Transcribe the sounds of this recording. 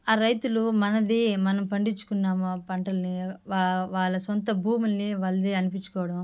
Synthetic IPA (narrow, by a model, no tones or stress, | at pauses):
aːɾɐjt̪ulumɐnɐd̪imɐnɐmpɐɳɖit͡ʃːu̥kunːaːmɐpɐɳʈɐlɐniʋaʋaːɭːɐsont̪̬ɐbʱuːmulːiʋɐlɐd̪iɐnipiɲt͡ʃːu̥kɔːʋɐɽɐm